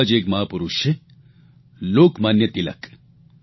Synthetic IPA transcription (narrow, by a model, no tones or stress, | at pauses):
d͡ʒeːkmɐɦaːpuɾuʃe | loːkmaːnjɐt̪ilɐ̰k